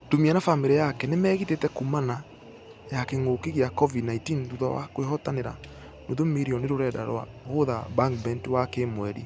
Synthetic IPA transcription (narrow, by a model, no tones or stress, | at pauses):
domianafameɾɛjakɛnemɛːɣitetɛkumana | jakeŋokeɣeakɔvidnaintiːnɾuðɔ̰wa̰kwehɔtaneɾa | noðomeɾiɔneɾoɾɛda̰ɾwa̰ɣoðabaŋk̚bɛntiwakemwɛɾḭ